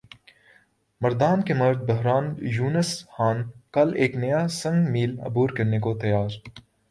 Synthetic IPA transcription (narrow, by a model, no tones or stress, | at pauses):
mɐɾd̪aːnkemɐɾd̪̚bɐɦɾaːnjuːnəsxaːnkɐleːknɐjasɐ̃ŋɡmiːlɐ̰buːɾkɐɾnekot̪ɐjaːɾ